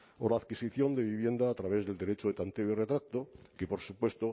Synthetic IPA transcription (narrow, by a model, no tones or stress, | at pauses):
olaːðkisiθjond̪e̞βiβ̞je̞nd̪aːt̪ɾaβe̞zðeld̪e̞ɾet͡ʃoet̪ant̪eoiret̪ɾak̚t̪okepo̞ɾsupwe̞st̪o